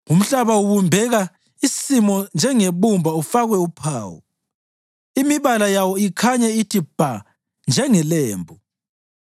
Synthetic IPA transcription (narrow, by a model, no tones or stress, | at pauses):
ŋum̩ɬaβauβumbʱɛɣa | isimɔnd͡ʒʱɛŋeβumbʱaufaɣwɛupʰaːwɔ̰ | imiβalajawɔikʰaɲɛitʰib̥ʱa | nd͡ʒʱɛŋɛleːmbʱu